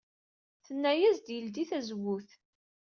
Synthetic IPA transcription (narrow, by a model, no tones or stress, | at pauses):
θənːæjæzd̪jəld̪iθæzwʊθ